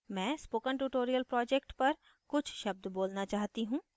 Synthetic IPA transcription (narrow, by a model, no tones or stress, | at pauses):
mɛ̃ːspoːkəɳʈuːʈoːɾijəlpɾɔːd͡ʒɛkʈpəɾ | kʊt͡ʃʰʃəb̚d̪boːlnaːt͡ʃaːɦt̪iːɦũː